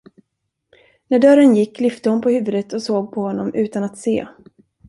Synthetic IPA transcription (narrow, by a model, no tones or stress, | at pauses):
næɖœɾənjɪkːlʏft̪əhʊnpʰɔhʉ̟ːvɵd̪ət̪ʰɔsoːɡ̚pʰɔhɔnːɔmʔʉ̟ːt̪anat̪sḛː